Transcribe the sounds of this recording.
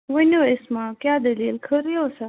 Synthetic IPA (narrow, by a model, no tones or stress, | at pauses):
ʋənoesmãːkʲjaːd̪əliːlkʰəɾijoːsa